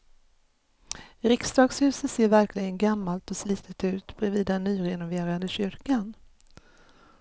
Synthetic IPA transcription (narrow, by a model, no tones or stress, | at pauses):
ɾɪksd̪ɑːɡshʉ̟ːsət̪seːɾvæɾklɪɡənɡamːalt̪ɔsliːt̪ʰət̪ʉ̟ːt̪bɾɛviːd̪ɛnːyːɾɛnʊveːɾad̪əɕʏɾkan